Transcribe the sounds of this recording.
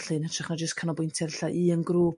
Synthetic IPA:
ɬɨnətʰrɛχnad͡ʒəskʰanɔbʊjntʰɛrɬaʔiənɡruː

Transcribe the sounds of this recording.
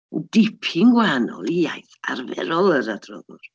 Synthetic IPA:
dɪpʰɪŋɡwaanɔ̰lˠiajθa̰rvɛ̰ɾɔlˠəɾadrɔðʊr

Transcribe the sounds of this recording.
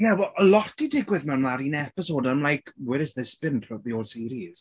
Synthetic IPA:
jawɛlˠʔəlɔtidɪɡwɪðmɛwmlaɾinɛpɪsoːdãɪ̃mlajkʰwɛɾɪzðɪsb̥ɪnʰrɔt̪̚ðioːlˠsiːɾiz̥

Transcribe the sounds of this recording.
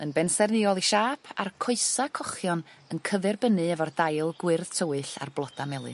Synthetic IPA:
ənbɛnsɛrnɪɔlˠiʃaːpʰa̰rkʰɔɨsakʰɔχjɔnənkʰəvɛrbənɨɛvɔrdajlˠɡwɪrð̥tʰəwɨɬa̰rblˠɔd̥amɛlˠɨ̰

